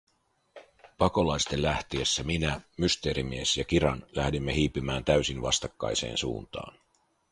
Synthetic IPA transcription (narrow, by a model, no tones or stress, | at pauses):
pɑko̞lɑjst̪e̞lːæht̪iesːæminæmyst̪e̞ːɾimie̞sjɑk̟iɾɑnlæhdimːe̞ɦiːpːimæːnt̪æɥsinʋɑst̪ɑkːɑ̰jsḛːnsṵːnt̪ɑ̰ːn